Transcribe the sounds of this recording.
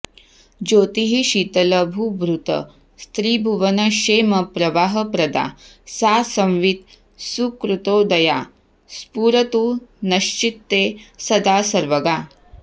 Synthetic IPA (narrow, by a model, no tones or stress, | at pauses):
d͡ʒoːt̪iɦiʃiːt̪ɐlɐbʱuʋɾut̪ɐ̰ | st̪ɾiːbʱuʋɐnɐʃeːmɐpɾɐʋaːɦɐpɾɐd̪a̰ː | saːsɐmʋit̪̚ | sukɾut̪oːd̪ɐja̰ː | spuːɾɐt̪unɐʃt͡ʃit̪ːeːsɐd̪aːsɐɾʋɐɡaː